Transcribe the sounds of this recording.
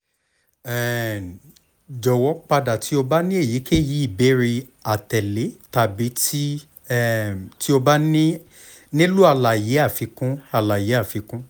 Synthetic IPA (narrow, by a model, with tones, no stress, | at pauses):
ɛ˨ | d͡ʒɔ˨wɔ˨˦k͡pa˧da˨ti˨˦o˧ba˦nĩ˦e˦˨ji˨˦ke˦˨ji˨˦i˦˨be˨˦ɾi˧ | a˨tɛ˨le˨˦ta˨bi˨˦ti˦ | ɛ˦ti˦o˧ba˦nĩ˦ | nĩ˦lu˦a˧la˨je˨˦a˦˨fi˧˦kũ˦a˧˨la˨je˨˦a˦˨fi˨˧˦kũ˦